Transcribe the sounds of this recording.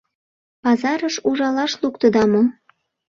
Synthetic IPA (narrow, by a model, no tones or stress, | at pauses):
pɑzɑɾəʃuʒɑlɑʃlukt̪əd̪ɑmo